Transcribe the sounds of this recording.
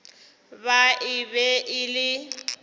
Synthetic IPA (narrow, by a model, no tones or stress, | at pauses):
baɪbɛʔɪlɪ